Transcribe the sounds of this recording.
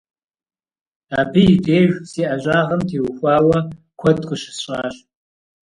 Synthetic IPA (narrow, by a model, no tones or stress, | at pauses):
aːbiideːʒʷsiːʔɐʑaːʁɐmtʰeːwʊxʷɑːwɐ | kʷʰɔdkʷʰʼʊʃɪ̥sɕʼaːɕ